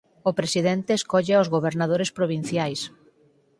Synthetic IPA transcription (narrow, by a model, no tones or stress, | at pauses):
ʊpɾesiðent̪eːskɔʎeozɣoβ̞eɾnaðoɾespɾoβ̞in̟θjajs